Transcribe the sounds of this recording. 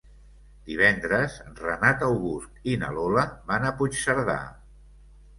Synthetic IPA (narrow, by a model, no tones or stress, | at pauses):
d̪̥iβ̞ɛnd̪ɾəzrənat̪əwɣuskinə̰loləβanəput͡ʃsəɾða̰